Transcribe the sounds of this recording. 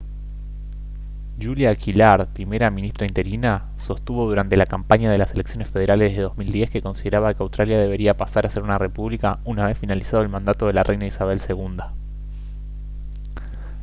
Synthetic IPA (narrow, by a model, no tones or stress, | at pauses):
ʒuljakʰilaɾðpɾime̞ɾamĩnist̪ɾaint̪e̞ɾina | so̞st̪uβo̞ðuɾant̪e̞lakampaɲað̞e̞laseleksjonesfe̞ð̞e̞ɾaleðeðo̞zmild̪je̞ske̞ko̞nsiðeɾaβakeawst̪ɾaljaðe̞β̞e̞ɾiapasaɾase̞ɾunare̞puβlikaunaβ̞e̞sfinalisað̞oelmãnd̪at̪oð̞e̞larʔejnaisaβ̞e̞lseɣund̪a